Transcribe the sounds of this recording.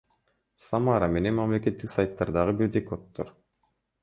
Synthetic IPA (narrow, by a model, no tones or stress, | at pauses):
samaɾame̞ne̞nmamle̞ke̞t̪ːiksajt̪ːɑɾd̪ɑʁɯbiɾd̪ekot̪ːoɾ